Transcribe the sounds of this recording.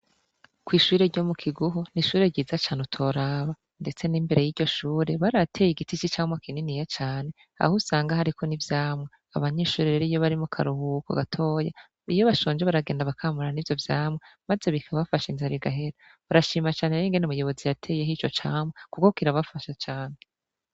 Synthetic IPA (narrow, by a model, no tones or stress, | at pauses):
kwiːʃuɾe̞ɾɟo̞mukʰiɡuɦuniʃuːɾe̞ɟiːzat͡ʃaːnutʰo̞ɾaːβa | nde̞t͡se̞nimbeɾe̞jiːɟɟo̞ʃuːɾe̞βaɾatʰe̞jiɡitit͡ʃit͡ʃaːmwakʰininijat͡ʃaːne̞ | a̰husaːŋɡahaɾikʰo̞nivjaːmwe | aβaɲe̞ːʃuːɾeɾeɾijoβaɾimukʰaɾuhuko̰ɡatʰo̞ːja | ijo̞βaʃo̞ːnd͡ʒeβaɾaɡeːndaβakʰaːmuɾanivjo̞vjaːmwemaze̞βikʰaβafaʃinzaɾiɡaɦe̞ɾa | βaɾaʃiːmat͡ʃaːneɾeŋɡenumujo̞βo̞zijatʰe̞ːje̞ɦit͡ʃo̞t͡ʃaːmwekukokiɾaβafaʃat͡ʃaːne